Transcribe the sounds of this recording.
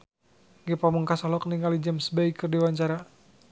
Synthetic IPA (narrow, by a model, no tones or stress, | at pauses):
ŋɡɛpaməŋkasalɔkniŋɡalid͡ʒəmsbɛikɨrdiwaɲt͡ʃaɾa